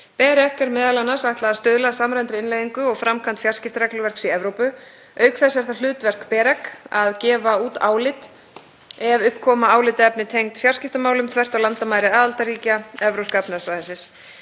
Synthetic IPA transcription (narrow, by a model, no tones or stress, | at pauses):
pɛːɾɛhkɛɾmɛːðalanːasaht̪laðast̪œːðlasamɾajnt̪ɾɪɪnlajðiŋkʏɔɣfɾamkʰant̪fjar̥scɪft̪ɾɛklʏvɛr̥ksiɛvɾowpʏ | œːɥkθɛsɛɾ̥θalʏːt̪vɛr̥kpɛːɾɛkaðcɛːvauːt̪a̰ːwlɪt̪ | ɛvʏhpkʰɔːmaaːwlɪt̪ɛpnɪt̪ʰejŋt̪fjarscɪft̪amaːwlʏmt̪ʰvɛr̥t̪awlant̪amaːjɾɪaːðalt̪aɾiːcaɛvɾowskapnasvajðɪsɪs